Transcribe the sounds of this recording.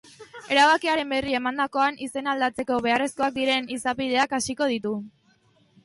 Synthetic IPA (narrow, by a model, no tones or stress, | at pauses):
e̞ɾaβakiaɾe̞mbe̞rie̞mand̪ako̞anise̞nald̪at͡se̞ko̞βe̞are̞sko̞ak̚d̪iɾe̞nisapið̞e̞akasiko̞ð̞it̪u